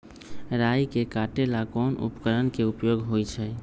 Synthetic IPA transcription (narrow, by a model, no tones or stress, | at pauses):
ɾajkekaʈelakɔnṵpkəɾənkeupjoɡɦojt͡ʃʰɛ